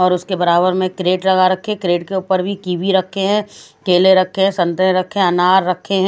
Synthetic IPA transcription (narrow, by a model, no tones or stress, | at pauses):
ɔːɾʊskebɐɾaːbəɾmẽkɾeːʈlɐɡaɾɐkʰːekɾeːʈ̚keʊːpəɾbʱikiːbiɾɐkʰːeɦɛ̃ːkeːleɾɐkʰːeɦɛ̃sɐ̃nt̪əẽɾɐkʰːeɛɐnaːɾːɐkʰːeɦɛ̃